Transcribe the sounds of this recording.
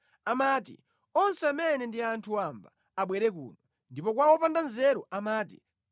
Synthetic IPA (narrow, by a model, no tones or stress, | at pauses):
amaːtḭ | ɔnsɛamɛnɛndiantʰuamba̰ːɓwɛɾɛk̬ṵːnɔ | ndipɔk̬wawɔpandanzɛɾɔʔamaːt̬ḭ